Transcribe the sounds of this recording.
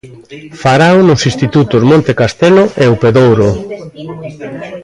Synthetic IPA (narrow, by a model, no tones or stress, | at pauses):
faɾawnʊsĩst̪it̪ut̪ʊzmõnt̪ekast̪eloʔeupeðowɾo